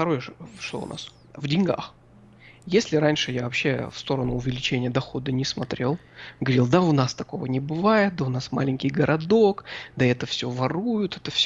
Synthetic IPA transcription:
ft̪ɐɾo̞jəʂt̪o̰ʊ̰na̰s | vdʲɪnʲɡa̰x | jesʲlʲɪɾanʲʂɨjavɐpɕːe̞fst̪o̞ɾənʊʊvʲɪlʲɪt͡ɕenʲɪjəd̪ɐxo̞d̪ənʲɪsmɐt̪ɾʲʔelˠ | ɡəvɐɾʲilˠd̪aʊnast̪ɐko̞vənʲɪbɨvajɪt̪̚d̪aʊnasma̰lʲɪnʲkʲɪjɡəɾʔɐd̪okd̪aɛt̪əfsʲɵvɐrujʊt̪ɛt̪əfsʲ

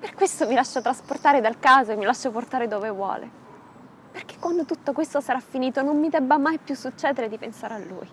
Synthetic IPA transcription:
perkwest̪omilaʃːat̪ɾasport̪aːɾed̪alkaːzoemːilaʃːoport̪aːɾed̪oːvevwɔ̰ːlʔḛ | perk̟e̥kwand̪ot̪ut̪ːokwest̪osaɾafːiniːt̪onomːid̪ɛbːamajpjusːut͡ʃːɛːd̪eɾed̪ipensaːɾealːṵːj

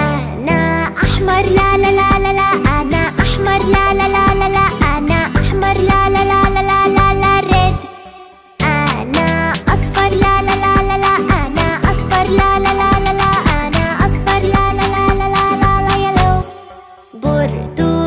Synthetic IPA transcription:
a | naaħmɐɾlalalalalaʔanaʔaħmɐɾlalalalalaʔanaʔɐħmɐɾlalalalalalalaɾed̪ | anaɐsˤfɐɾlalalalalaʔanaʔɐsˤfɐɾlalalalalaʔanaɐsfɐɾlalalalalalalajalo | bʊɾt̪u

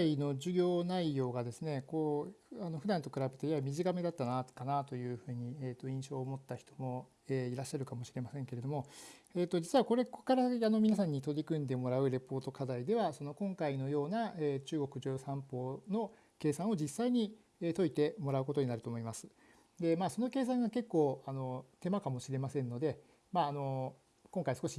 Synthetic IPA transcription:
aino̞d͡ʑɨɡʲo̞ːnaijo̞ːɡad̪e̞sɨne̞ko̞ː | ano̞ɸɯd̪ãnt̪o̞kɯ̟ɾabe̞t̪eiamʲiʑikame̞d̪at̪ːanakanat̪o̞jɯ̟ːɸɯ̟ːɲ̟iet̪ːo̞ĩɰ̃ɕo̞ːmo̞t̪ːaçi̥t̪omo̞ | eːiɾaɕːaɾɯ̟kamo̞ɕiɾe̞masẽ̞ŋke̞ɾe̞d̪o̞mo̞e̞ːt̪ːo̞d͡ʑit͡sɨɯβako̞ɾe̞kkaɾaano̞mʲinasãɲ̟ːit̪o̞ɾʲikɯ̟̃nd̪e̞mo̞ɾaɯ̟ɾe̞po̞ːt̪o̞kad̪aid̪e̞βaso̞no̞kõ̞ŋkaino̞jo̞ːnaeːt͡ɕɨːɡo̞kɯ̟ʑoːsãmpo̞ːno̞ | ke̞ːsãɰ̃o̞d͡ʑisːaiɲ̟i | eːt̪o̞it̪e̞mo̞ɾaɯ̟k̬o̞t̪o̞ɲ̟inaɾɯ̟t̪o̞ːmo̞imasɨ̥ | d̪e̞maːso̞no̞ke̞ːs̬ãŋɡake̞kːo̞ːano̞t̪e̞makamo̞ɕiɾe̞masẽ̞nːo̞d̪e̞ | maːno̞ | kõŋkaisɨ̥koɕi

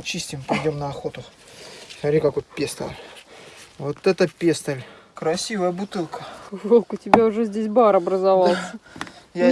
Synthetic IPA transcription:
t͡ɕisʲtʲɪmpɐjdʲomnəɐxo̞t̪ʊ | sɐɾʲikɐkojt̪pʲest̪ə̰lʲ | vot̪ɛt̪əpʲest̪əlʲ | kɾɐsʲivəjəbʊt̪ɨlˠkəʐolˠkʊtʲɪbʲaʊʐɛzʲdʲes̬ʲbaɾɐbɾəzɐvɑlˠsʲəja

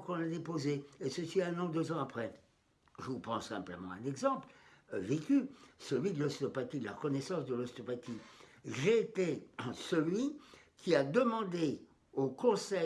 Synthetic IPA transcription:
kɔ̃nad̪epozeesəsiɛ̃nɑ̃d̪øzɑ̃apχɛ | ʒəvupɑ̃ssɛ̰̃pləmɑ̃ɛ̰̃nɛɡzɑ̃plvekʲysəlɥid̪əlɔst̪ɔpat̪id̪əlaʁəkɔnɛsɑ̃sd̪əlɔst̪ɔpat̪iʒeːt̪esəlɥi | kʰʲiad̪əmɑ̃d̪e | okɔ̃sɛ

